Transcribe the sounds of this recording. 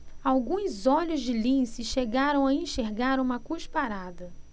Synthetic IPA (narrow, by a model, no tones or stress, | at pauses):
awɡũzɔʎʊzd͡ʒɪlĩsɪʃeɡaɾɐ̃w̃aẽʃeɾɡaɾũmɐkuʃpaɾad̪ɐ